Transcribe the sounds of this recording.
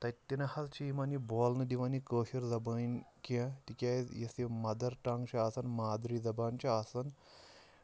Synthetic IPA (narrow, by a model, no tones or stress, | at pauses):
t̪ɐt̪ːinɐhɐlt͡ʃʰiimaniboːlnɨd̪iʋanikəːɕiɾzɐbɐnkãt̪ikʲaːjjɐsemɐd̪ɐɾʈaŋɡt͡ɕɐasɐnmaːd̪ɾizɐbaːnt͡ɕɐasɐn